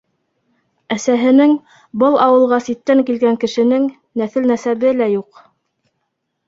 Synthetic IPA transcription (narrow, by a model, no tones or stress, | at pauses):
æsæɦɘ̆nɘŋ | bɤlˠɑwɤ̆lˠʁɑsit̪ːæŋkilɡæŋkɘ̆ʃɘ̆nɘŋ | næθɘ̆lnæsæβɘlæjuq